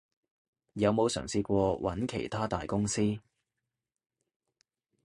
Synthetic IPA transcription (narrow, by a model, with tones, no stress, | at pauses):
jɐ˨˧wmo˨˧wsœ̰ː˨˩ŋsiː˧kʷɔː˧wʔɐ̰˨˥nkʰḛ˨˩jt̪ʰaː˥t̪aː˨jkʊ˥ŋsiː˥